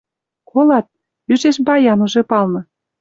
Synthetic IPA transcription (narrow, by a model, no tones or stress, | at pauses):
kʰolɑt̪̚ | yʒeʃbɑjɑnuʒepɑlnɤ̆